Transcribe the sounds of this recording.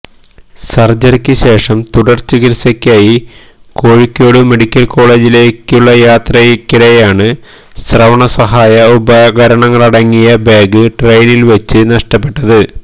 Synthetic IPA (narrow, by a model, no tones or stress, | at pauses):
sɐrd͡ʑɐrkʲːɨɕe̞ːʂɐmt̪uɽɐrt͡ɕːɨɡiɾsɐkʲːaːji | ko̞ːɻikʲːjo̞ːɽɨme̞ɽikʲːɐlko̞ːɭe̞ːd͡ʑile̞ːkʲːuɭːɐjaːt̪rɐkːiɽɐjjaːɳɨ | srɐʋɐɳɐsɐɦaːjɐubɐɡɐɾɐɳɐŋːɐɭɐɽɐŋːijɐbeːɡɨʈrejnilʋet͡ɕːɨnɐʂʈɐpːe̞ʈːɐðɨ